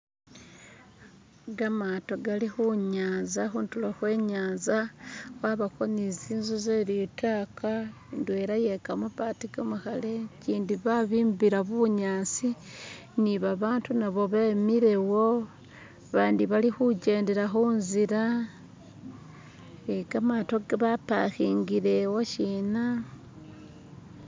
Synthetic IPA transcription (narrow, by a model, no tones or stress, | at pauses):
ɡamaːto̞ɡalixuɲaːnzaxuntuloxwe̞ːɲaːnzaxwaβakoniziːnzuzeɾitaːka | ndwe̞ːɾaje̞kamupatiɡomuxale̞ciːndiβaβiːmbiɾaβuɲaːt͡si | niβaβaːntunaβo̞βemiɾe̞wo | βaːndiβalixuɟe̞ːnde̞ɾaxuːnziɾa | eɡamatoɡeβapa̰xiːŋɡiɾe̞woʃiːna